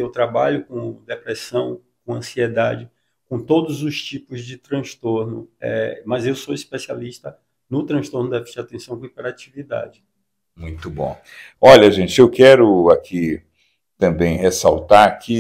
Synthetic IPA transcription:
ewt̪ɾabaʎʊkõd̪epɾɛsɐ̃w̃ | kõɐ̃siɛd̪ad͡ʒɪ | kõt̪od̪ʊzʊst͡ʃipʊzd͡ʒɪt̪ɾɐ̃ʃt̪oɾnʊ̰ɛ̰mɐzewsoispesialiʃt̪ɐ | nʊt̪ɾɐ̃st̪oɾnʊd̪ɛft͡ʃat̪ẽsɐ̃w̃kõipɛɾat͡ʃivid̪a̰d͡ʒɪ | mũj̃t̪ʊbõ̰ | ɔʎɐʒẽnt͡ʃɪewkɛɾʊakʰi | t̪ɐ̃bẽj̃hesawt̪aɾkʰɪ

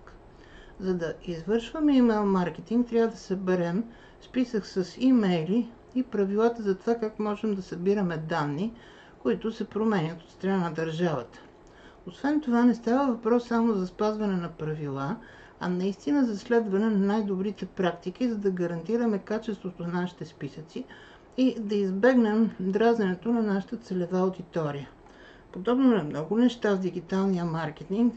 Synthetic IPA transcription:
k | zɐd̪ɐizvɤɾʃvəmɛimɛlˠmaɾk̟ɛt̪iŋk̚t̪ɾʲavəd̪ɐsɛbɛɾɛm | spisəksəsimɛjliː | pɾɐvilˠat̪əzɐt̪ovakakmɔʒɛmd̪ɐsɐbiɾəmɛd̪anːi | koit̪ʊsɛpɾomɛɲʲət̪ot̪st̪ɾɐnanɐd̪ɐɾʒavə̰t̪ə̥ | osvɛnt̪ovanɛst̪avəvɐpɾɔsːamozɐspazvɐnɛnɐpɾɐvilˠa | ɐ̰nɐist̪inəzɐslɛd̪vɐnɛnɐnajd̪obɾit̪ɛpɾakt̪ik̟izɐd̪ɐɡɐɾɐnt̪iɾəmɛkat͡ʃɛst̪vot̪onaʃi̥t̪ɛspisət̪si | id̪ɐizbɛɡnɛmd̪ɾazɛnɛt̪onɐnaʃə̥t̪ət̪sɛlɛvaod̪it̪ɔɾijə | pod̪ɔbnoɛmnɔɡʊnɛʃt̪avd̪iɡit̪alˠnijəmaɾk̟ɛt̪iŋk

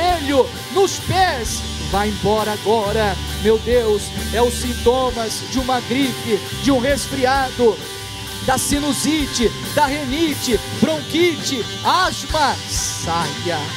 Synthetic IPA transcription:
eʎʊ | nʊspɛs | vajẽbɔɾɐaɡɔɾɐ | mewd̪ewsɛʊsĩnt̪õmɐzd͡ʒɪũmɐɡɾipɪ | d͡ʒɪũɦesfɾiad̪ʊ | d̪ɐsinʊzit͡ʃɪ | d̪ɐɦenit͡ʃɪ | bɾõkit͡ʃɪ | azmɐ | sajɐ

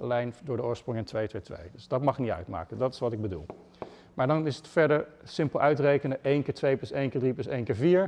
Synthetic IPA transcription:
lɛjndʊːɹdəʊːɹsprʊŋɛntʋejtʋejtʋḛjdəsdɑtmɑχɪknitœ̰ɥtma̰ːkədɑtɪ̥sʋɑtɪɡ̚bədṵlˠ | maːdɑnɪsətfɛɹdəɹsɪmpəlˠʔœɥtrejkənəʔejnkɪːɹtʋejplɵsejnkɪːɹdripləsejnkɪːɹviːɹ

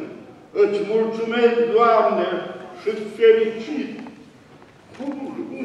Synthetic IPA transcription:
ət͡ʃmult̪t͡sumesd̪uamneʂɨt̪felit͡ʃʰit̪ | kʰu

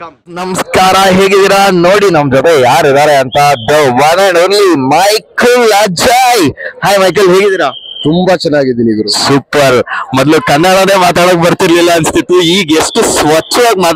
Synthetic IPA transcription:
ɐ | nɐmɐskaːɾɐɦe̞ːɡid̪iɾɐno̞ːɽinɐmːɐd͡ʒɔt̪ejaːɾid̪aːɾeɐnt̪ɐd̪ɐʋɐneːɳɖoːnlimɐjkɐlːaːd͡ʒajhaːjmɐjk̬ɐlɦeːɡid̪iːɾat̪umbɐt͡ʃɛnːaːɡid̪iniʋɾusuːpɐɾmɔd̪lukɐnːaɽɐne̞ːmaːt̪aːɽok̚bɐɾt̪iɾlilːɐːnst̪ʰit̪ːuiːɡesʈusʋɐt͡ʃːɐʋaːɡmaːt̪

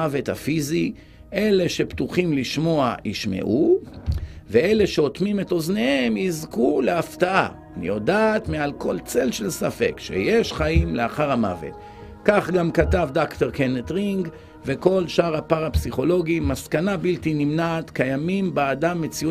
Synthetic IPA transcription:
ave̞thafizi | ʔe̞le̞ʃe̞pt̪uχimliʃmo̞aʔiʃme̞̰ʔu | vee̞le̞ʃeo̞t̪mime̞to̞zne̞hemizkuleaftaʔa̰ːnḭjo̞daːt̪mealko̞lt͡se̞lʃe̞lsafe̞̰kʃḛjeʃχaimleaχaʁhama̰vḛt̪ | kaχɡamkatavdakt̪eʁkenet̪ʁiŋɡ | ve̞ko̞lʃaʁhapaʁapsiχo̞lo̞ɡimaskanabilt̪inimnaːt̪kajamimbaːdamːet͡siu

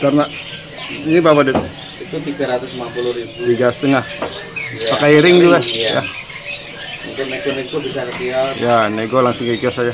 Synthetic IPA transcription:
karna | nibawadɛt̪ | it̪ut̪iɡaɾat̪ʊsmanpulʊhɾibudiɡast̪ɪŋah | pakaiɾɪŋd͡ʒuɡaja̰ | mṵŋkɪnneɡoneɡubisakətialjaneɡolaŋsʊŋkikiɔsad͡ʒa

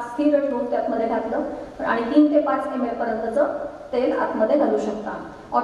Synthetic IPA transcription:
t͡st̪ʰiːɾəʂbʱot̚t̪jat̪məd̪ʱːeʈʰjakləːa̰ɽ̃it̪iːnt̪epãt͡sk̪ʰemeɭpəɾjənt̪ət͡sət̪ed͡za̰t̪məd̪ʱːjeɡʱaluːɕək̚t̪a | ɔ

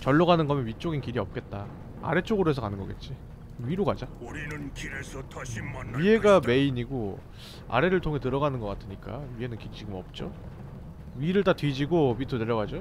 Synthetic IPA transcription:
t͡ɕʌɭːʌɣanɯnɡʌmjʌnɥit͡ɕ͈oɡinkiɾiʌp̚k͈e̞t̚t͈a | a̰ɾe̞t͡ɕ͈oɡɯɾoɦe̞sʰʌkanɯnɡʌɡe̞̰t̚t͡ɕ͈i | ɥiɾoɡad͡ʑa | ɥie̞ɡame̞iɲiɡo | a̰ɾe̞ɾɯɭtʰoŋɦe̞tɯɾʌɣanɯnɡʌk͈atʰɯɲik͈a̰ɥie̞nɯnkiɾit͡ɕiɡɯmʌp̚t͡ɕ͈o̰ | ɥiɾɯɭt̬atɥid͡ʑiɡomitʰoneɾʌɡad͡ʑo

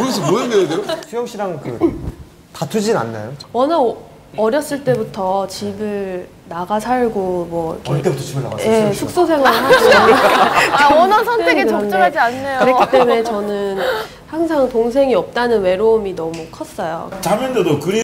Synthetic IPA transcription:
kɯɾesʰʌmoɯndeedeɾosʰujʌŋɕ͈ʰiɾaŋkɯ | tatʰud͡ʑina̰nːa̰jowʌna | ʌɾjʌs͈ɯɭt͈e̞butʰʌt͡ɕibɯɭ | naɡasʰaɭɡomwʌ̰ket͈ebutʰʌt͡ɕibɯɭna̰ɡa̰je̞sʰuk̚s͈osʰe̞ŋasao | ʌnasʰʌneeet͡ɕat͡ɕead͡ʑianːejoɾet͈e̞me̞t͡ɕʌnɯn | haŋsʰaŋtoŋsʰe̞ŋiʌp̚t͈anɯnwe̞ɾoːminʌmukʰʌs͈ʌjo̰t͡ɕamʌndedokɯɾi

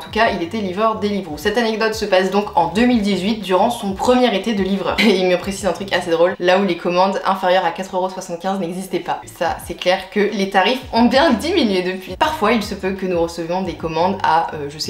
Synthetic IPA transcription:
ɑ̃t̪ukailet̪ɛlivʁœʁd̪elivʁosɛt̪anɛɡd̪ɔt̪səpasd̪ɔ̃kɑ̃d̪ømild̪izɥit̪̚d̪yʁɑ̃sɔ̃pχəmjɛʁet̪ed̪əlivʁœ̰ːʁmɛ̃pχesizɛ̃t̪χykased̪ʁolːaulekɔmɑ̃d̪ɛ̰̃feʁjœʁakat̪χøʁoswasɑ̃t̪̚kʲɛ̃znɛɡzist̪ɛpasasɛklɛʁkəlet̪aʁifɔ̃bjɛ̃d̪iminɥed̪əpɥipaʁfwailsəpøkənuʁəsəvjɔ̃d̪ekɔmɑ̃d̪a̰øʒəsɛ

